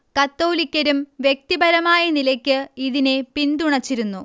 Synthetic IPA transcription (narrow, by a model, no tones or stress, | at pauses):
kɐt̪ːo̞ːlikʲːɐɾumʋje̞k̚t̪ibɐɾɐmaːjɐnilɐkʲːɨiðine̞pind̪uɳɐt͡ɕːiɾunːu